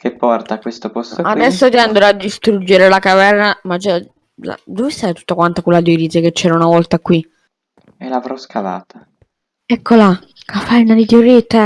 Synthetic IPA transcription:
kʰepːɔrt̪akːwest̪opɔst̪ad̪ɛsːot̪ɛand̪ɾoad̪ːist̪ɾud͡ʒːeɾelakavɛrnamad͡ʒa | la̰d̪ovesajt̪u̥t̪ːakwant̪okelːad̪jod̪iːseket͡ʃːɛːɾaunavɔlt̪akwi | elavɾɔskʰava̰ːt̪a | ɛkʰːola | kafɛrnad̪it̪joɾit̪ːa

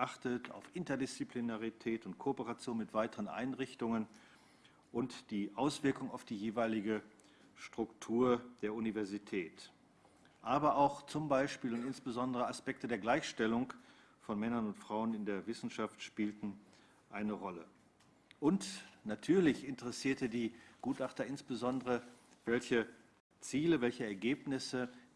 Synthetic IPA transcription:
ʔaχtətʰa̰ʊfʔɪntɐdɪst͡siplinaʁitʰɛːtʊnt̚kʰoopəʁat͡sjoːnmɪtv̥aɪtəʁənʔa̰ɪnʁɪçtʊŋən | ʔʊntd̥iːʔaʊsv̥ɪɐkʊŋaʊfd̥iːjeːvaɪlɪɡə | ʃtʁ̥ʊktʰuːɐd̥eːɐʔunivɛɐzitʰɛːt | ʔaːbɐʔaʊxt͡sʊmbaɪʃpiːlʊntɪnsb̥əzɔndəʁ̞əaspɛk̚tədeːɐɡlaɪçʃtɛlʊŋk | fɔnmɛnɐnʊntfʁ̥aʊənɪndeːɐvɪsn̩ʃaftʃpiːltn̩ | ʔaɪnəʁɔlə̰ | ʔʊntnatʰyːɐlɪçɪntəʁɛsiːɐtədiːɡ̥uːtaχtɐɪnsb̥əzɔndəʁə | vɛlçə | t͡siːləvɛlçəɛɐɡeːpnɪsə

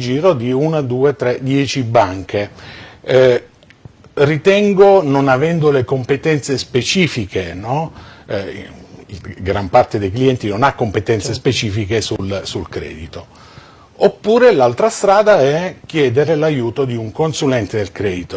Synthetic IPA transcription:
d͡ʒiːɾod̪iunad̪uːet̪ɾɛd̪jɛːt͡ʃibaŋk̟e | rit̪ɛŋɡononavɛnd̪olekompet̪ɛnt̪sespet͡ʃiːfikʰenɔ̰ | ɡɾampart̪ed̪ejkliɛnt̪inonakːompet̪ɛnt̪sespet͡ʃiːfikesulsulkɾɛ̰ːd̪it̪o | opːuːɾelalt̪ɾast̪ɾaːd̪aɛk̟ːjɛːd̪eɾelajuːt̪od̪iuŋkonsulɛnt̪ed̪elkɾɛːd̪it̪o

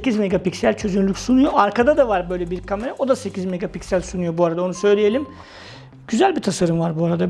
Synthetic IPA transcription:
secizmeɡapicsælʲt͡ʃʰø̞zynylʲycʲsunujoaɾkʰad̪ad̪avaɾbø̞jlʲɛbiɾkʰame̞ɾaʔo̞d̪ase̞cʰizmeɡapicsælʲsunujo̞buaɾad̪ao̞nusø̞jlʲeje̞lʲim | ɟ̥yzælʲbit̪ʰasaɾɯmvaɾbuaɾad̪a

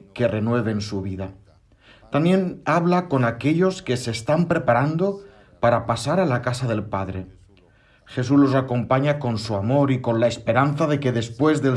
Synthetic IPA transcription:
ke̞re̞nwe̞β̞e̞nsuβ̞iða | t̪amje̞naβ̞lako̞nake̞ʎo̞ske̞se̞ːst̪ampɾe̞paɾand̪o̞ | paɾapasaɾalakasaðe̞lpaðɾe̞ | xe̞s̬uzlo̞sako̞mpaɲako̞nsuamo̞ɾiko̞nlaespeɾan̟θaðe̞ke̞ðe̞spwe̞zðel

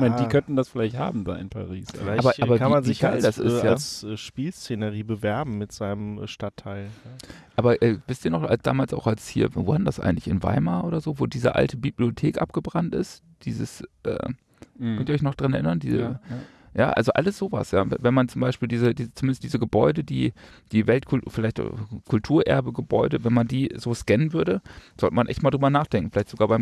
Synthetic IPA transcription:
maɪndiːkʰœntn̩dasfɪlaɪçtha̰ːbm̩da̰ːɪnpʰa̰ʁiːsaaːbɐʔaːbɐvaiːmanzɪɡ̥aɪldasʔɪ̰ssjalːsʔɛʃpiːlst͡senəʁiːbəvɛɐbm̩mɪtz̥aɪnəmʃtatʰːaɪlʔaːbɐʔɛːvɪstiːɐnɔχa̰lsd̥a̰ːmaːlsʔaʊxalshḭːɐvoːadndasʔa̰ɪɡŋ̩tlɪçɪnva̰ɪmaʔoːɾɐzoːvoːdiːzəʔa̰ltʰəbibliotʰeːkʔa̰p̚ɡ̥əbʁantʔɪ̰st | d̥iːzəsʔɛ̰ː | kʰœntiːɔçnɔχd̥ʁanɛɐʔɪnɐndiːzə | ja̰ːʔa̰lzoʔa̰ləsz̥oːva̰sja̰ːvvɛnmant͡sʊmbaɪʃpiːldiːzədiːzt͡sʊ̥umɪndəstd̥iːzəɡəbɔʏdədiː | d̥iːvɛltkʰʊfɪlaɪçta̰kʰʊltʰuːɐʔɛ̰ɐbəɡəbɔʏdəvɛnmandiːzoːskɛnənvʏɐɾəz̥ɔltəmanʔɛ̰çtmaːdʁːbɐnaːχd̥ɛŋkŋ̩fɪlaɪtz̥oɡaːbaɪm

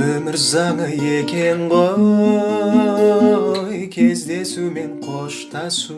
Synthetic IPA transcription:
ɵmɪɾzɑŋəjekʲʰe̞ɴʁo | jkʲʰe̞zd̪e̞sume̞ɴqʰoʃt̪ɑsu

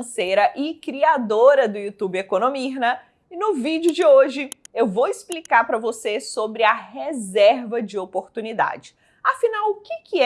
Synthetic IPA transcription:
sejɾɐʔɪkɾiad̪oɾɐd̪ʊjut̪ubɪekõnõmiɦnɐ | inʊvid͡ʒɪʊd͡ʒɪoʒɪewvowɪsplikaɾpɾɐvosesobɾɪɐɦezɛɾvɐd͡ʒɪopoɾt̪unid̪a̰d͡ʒɪ̥ | afinawʊkɪkʰɪɛ

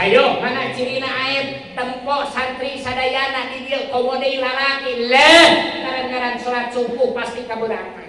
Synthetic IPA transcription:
ajohmanat͡ʃiɾinaaɛr | t̪əmpɔʔsant̪ɾisadajanːadidiəkɔmɔdelalakiləŋaɾankaɾansɔɾat̪̚suŋkuhpast̪ikabuɾaŋa

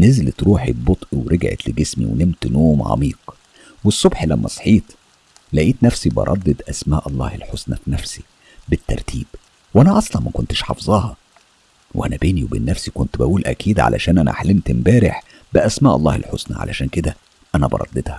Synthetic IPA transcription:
nezlt̪ɾuːħibot̪ˤʔweɾʔeɡʕḛt̪leɡesmḭwenemt̪noːmʕɑ̰miːq | wesˤːobħlæmːæsˤħiːt̪ | læʔiːt̪næfsibɑ̰ɾˤɑ̰d̪ːed̪ʔæsmæːʔɑlˤːɑ̰ːhelħosnæfnæfsi | bet̪ːɑ̰ɾˤt̪ʰiːb | wʔænæʔɑsˤlɑnmækont̪e̥ʃħɑfzˤɑːhɑ | wʔænæbeːniwebḛːnːæfsikont̪bæʔuːlʔæ̰kʰiːd̪ʕa̰læ̰ʃæːnʔænʔæ̰ħlemt̪embæːɾeħ | bɪʔæsmæːʔɑlˤːɑ̰ːhḛlħosnæʕa̰lʔæʃæːnked̪æ | ʔænæbɑ̰ɾˤɑ̰d̪ːed̪hɑ

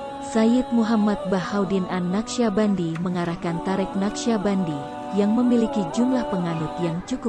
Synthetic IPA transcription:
sajɪt̪̚muɦamat̪̚bahawdinanːakʃiabandiməŋaɾahkant̪aɾɛk̚nakʃiabandi | jaŋməmilikid͡ʒumlahpəŋanut̪jaŋt͡ʃukʊp̚

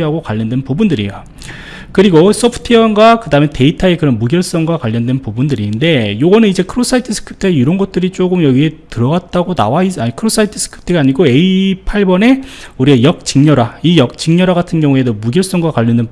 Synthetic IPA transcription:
ɦaɡokwaʎːʌndwenpubundɯɾḭjo | kɯɾiɡos͈ʰʌpʰɯ̥tʰiʌnɡwakɯdamete̞itʰaekɯɾʌnmuɡjʌɭs͈ʌŋɡwakwaʎːʌndwe̞npubundɯɾinde̞joɡʌnɯnid͡ʑe̞kʰɯɾos͈ʰaitʰɯsʰɯ̥kʰɯ̥p̚tʰeiɾʌnɡʌt̚t͈ɯɾit͡ɕ͈oɡɯmjʌɡiɦe̞tɯɾʌɡat̚t͈aɡona̰waisaɲikʰɯɾos͈ʰaitʰɯ̥s͈ʰɯ̥kʰɯ̥p̚tʰeɡaːɲiɡoe̞ipʰaɭbʌne̞uɾiajʌk̚t͡ɕiŋɲʌɾaijʌk̚t͡ɕiŋɲʌɾaɡatʰɯnɡjʌŋue̞domuɡjʌɭs͈ʌŋɡwakwaʎːʌndwen

